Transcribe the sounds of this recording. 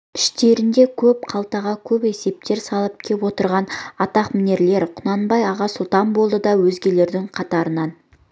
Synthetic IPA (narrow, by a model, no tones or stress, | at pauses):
ɪ̥ʃt̪e̞ɾɪnd̪e̞kʲʰɵp̚qʰɑlˠt̪ɑʁɑkʲʰɵpe̞se̞p̚t̪e̞ɾsɑlˠəp̚kʲʰepwo̞t̪əɾʁɑnɑt̪ɑqmɪne̞ɾle̞ɾqʰʊnɑnbɑjɑʁɑsʊlˠt̪ɑnbolˠd̪əd̪ɑwɵzɡʲe̞le̞ɾd̪ɪŋqʰɑt̪ɑɾənɑn